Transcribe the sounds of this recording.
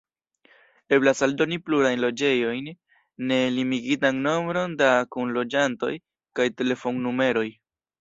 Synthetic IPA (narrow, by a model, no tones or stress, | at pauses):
e̞blasaldo̞nipluɾajnlo̞d͡ʒe̞jo̞jnː | e̞limiɡitanno̞mbɾo̞ndakunlo̞d͡ʒanto̞̰j | kajte̞le̞fo̞ŋnume̞ɾo̞j